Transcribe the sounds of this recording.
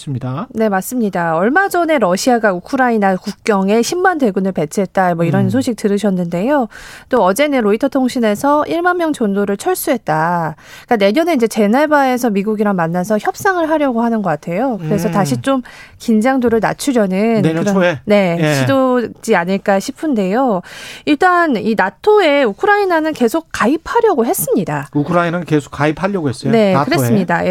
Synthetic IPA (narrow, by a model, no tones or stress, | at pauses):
ne̞mas͈ɯmɲidaʌɭmad͡ʑʌne̞ɾʌɕʰiaɡaukʰɯɾainakuk̚k͈jʌŋe̞ɕʰimːande̞ɡunɯɭpe̞t͡ɕʰɯɦet̚t͈amwʌiɾʌnsʰoɕʰik̚t͈ɯɾɯɕʰʌnːɯnde̞jot͈oʌd͡ʑe̞nɯnɾoitʰʌtʰoŋɕʰine̞sʰʌʔiɭmanmjʌŋt͡ɕondoɾɯɭt͡ɕʰʌɭs͈uɦe̞t̚t͈a | ik͈ane̞ɲʌne̞ind͡ʑe̞t͡ɕe̞nabae̞sʰʌmiɡuɡiɾamanːasʰʌçjʌp̚s͈aŋɯɭɦaɾjʌɡoɦanɯnɡʌk͈atʰe̞jokɯɾe̞sʰʌtaɕʰit͡ɕ͈omkind͡ʑaŋdoɾɯɭna̰t͡ɕʰuɾjʌnɯnkɾʌne̞ɕʰidod͡ʑiaɲiɭk͈aɕʰipʰɯnde̞joiɭt͈aninatʰoe̞ukʰɯɾainanɯnke̞sʰok̚k͈ːaipʰaɾjʌɡoɦe̞s͈ɯmɲidaukʰɯɾainankesʰo̥k͈ːaipʰaʎjʌɡoes͈ne̞kɯɾessɯmɲida